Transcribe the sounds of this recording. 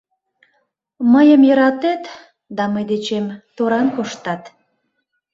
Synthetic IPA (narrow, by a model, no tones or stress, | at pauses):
məjəmjəɾɑt̪et̪ | d̪ɑməjd̪et͡ɕemt̪oɾɑnkoʃt̪ɑt̪